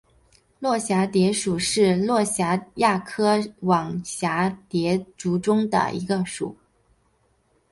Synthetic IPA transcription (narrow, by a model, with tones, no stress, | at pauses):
lwɔ˥˩ɕja˧˥t̪jɛ˧˥ʂu˨˩ʂɻ̩˥˧lwɔ˥˩ɕja˧˥ja˥˩kʰɤ˥wɑ˨˩ŋɕja˧˥t̪jɛ˧˥ʈ͡ʂu˧˥ʈ͡ʂʊ˥ŋd̪ə̰˨˩ḭ˧˥ɡə˧ʂṵ˨˩˦